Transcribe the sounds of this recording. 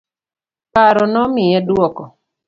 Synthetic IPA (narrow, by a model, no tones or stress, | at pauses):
kaɾɔnɔmɪɛdwɔkɔ